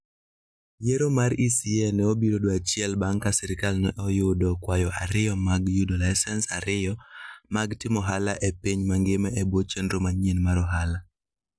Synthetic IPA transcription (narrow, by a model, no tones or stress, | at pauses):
jeɾomaɾisiɛnɛobiɾodoat͡ʃɪɛlbaŋkasɛɾɪkalnɛʔɔjʊdɔkwajɔʔaɾɪjɔmaɡjudolaɪsɛnsa̰ɾɪjɔmaɡtɪmɔɦalaʔepiɲmaŋɡɪmɛebwot͡ʃendɾomaɲenmaɾɔɦala